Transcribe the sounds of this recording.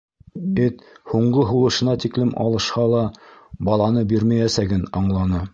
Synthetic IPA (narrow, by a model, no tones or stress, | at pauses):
ɘt̪huɴɢɤɦulˠɤ̆ʃɤ̆nɑt̪iklɘmʔɑ̰lˠɤ̆ʃqɑlˠɑbɑlˠɑnɤbiɾmæjæsæɡɘnɑɴlˠɑnɤ